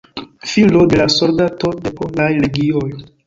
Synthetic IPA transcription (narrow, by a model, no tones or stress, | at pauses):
filo̞de̞lasoldato̞de̞polajle̞ɡioj